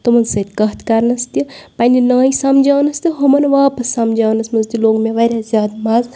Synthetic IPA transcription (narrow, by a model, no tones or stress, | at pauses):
t̪umɐnsɐt̪ʲkɐɦt̪kaɾnɐst̪ipɐninaːisamd͡ʒaːnɐst̪iɦomɐnʋaːpɐsːamd͡ʒaːnɐsmɐnzt̪iloːkmeʋɐɾʲjazʲjaːd̪maːz